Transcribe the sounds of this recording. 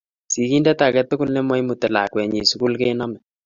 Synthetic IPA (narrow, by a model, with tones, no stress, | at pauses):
si˨ki˦ndɛ˦ta˨kɛ˦tʊ˦kʊ˦lne˦mɔ˦jmu˨tɛ˨la˨kwɛ˨ɲi˨su˦ku˦lke˦nɔ˦mɛ˨